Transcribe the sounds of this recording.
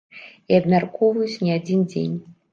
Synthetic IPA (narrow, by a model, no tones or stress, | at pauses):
iabmʲarkɔvɐjut͡sʲnʲiad͡zʲind͡zʲḛnʲ